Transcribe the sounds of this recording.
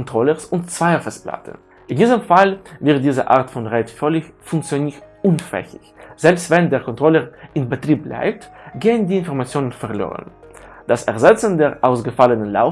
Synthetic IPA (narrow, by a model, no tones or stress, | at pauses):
ntʁ̥ɔləsʊntt͡sv̥aɪfəspla̰tən | ʔɪndiːzəmfalvɪɐt̚d̥iːzə̰ʔaʁtfɔnʁɛtfœlɪçfʊŋk̚t͡sjoniʔʊnfɛ̰çɪçz̥ɛlpstv̥ɛndeːɐkʰɔntʁ̥ɔləʁʔɪnbətʁ̥iːp̚bla̰ɪp̚tɡ̥eːəndiːɪnfɔɐʁmat͡sjoːnənfɛɐlo̰ːʁə̰nd̥asɛɐzɛt͡sən̩deːɐʔaʊsɡ̥əfalənənla̰ʊ